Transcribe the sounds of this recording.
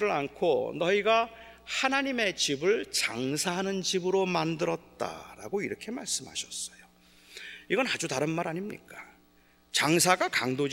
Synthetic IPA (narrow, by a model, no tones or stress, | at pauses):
ɾɯɾankʰonʌiɡa | hanaɲime̞t͡ɕibɯɭt͡ɕaŋsʰaɦanɯnt͡ɕibɯɾomandɯɾʌt̚t͈a̰ɾa̰ɡoiɾʌkʰe̞ma̰ɭs͈ɯmhaɕʰʌs͈ʌ̥jo | iɡʌnad͡ʑutaɾɯnmaɾaɲimɲḭk͈ḁ | t͡ɕaŋsʰaɡakaŋdod͡ʑ